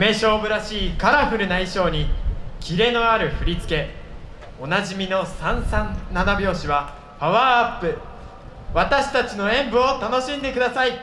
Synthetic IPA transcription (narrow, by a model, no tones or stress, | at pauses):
me̞ɕo̞ːbɯ̟ɾaɕiːkaɾaɸɯ̟ɾɯ̟naiɕo̞ːɲ̟ikʲiɾe̞no̞aɾɯ̟ɸɯ̟ɾʲit͡sɨ̥ke̞ | o̞naʑimʲino̞sãɰ̃sãnːanabʲjo̞ːɕiβa | paβaːapːɯ̟ | βat̪aɕi̥t̪at͡ɕino̞ẽ̞mbɯ̟ot̪ano̞ɕĩnd̪e̞kɯ̟d̪asai